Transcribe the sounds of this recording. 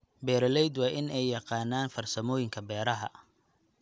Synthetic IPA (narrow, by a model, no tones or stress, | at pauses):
bɛːɾɐlɛjd̪wɑːʔɪnɛjːɑqɑːnːaːnfɐrsɐmɔːjɪŋkʰɐbɛːɾɐɦɐ